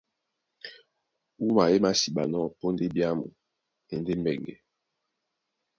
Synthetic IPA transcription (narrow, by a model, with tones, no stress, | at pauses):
u˦ma˨je˦ma˦si˨ɓa̰˨nɔ˦˨po˦n˦de˦bja˦mṵ˨ | e˨nde˦m˦bɛ˨ŋɡɛ̰˨